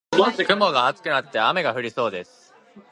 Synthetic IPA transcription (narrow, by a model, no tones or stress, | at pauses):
moɕikɯ̟mo̞ɡaːt͡sɨ̥kɯ̟nat̪ːe̞ame̞ɡaɸɯ̟ɾʲiso̞ːd̪e̞sɨ̥